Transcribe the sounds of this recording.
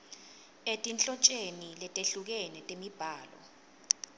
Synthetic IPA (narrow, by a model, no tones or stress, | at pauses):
etʼint͡ɬʼɔt͡ʃʼenilɛtʼeɬuk̬ɛnɛtʼemib̥ʱaːlɔ̰